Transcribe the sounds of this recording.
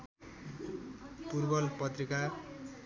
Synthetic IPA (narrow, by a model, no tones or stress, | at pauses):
purbʌlpʌt̪rika